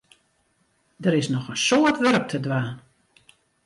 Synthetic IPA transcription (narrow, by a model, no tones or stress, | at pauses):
dəɾɪsnɔxənsoətʋɛrək̚tʰədʋaːn